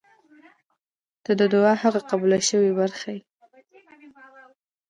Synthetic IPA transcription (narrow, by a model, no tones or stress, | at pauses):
d̪̥əd̪əd̪ʊɑhaɣaqabulaʃəwebaɾxaji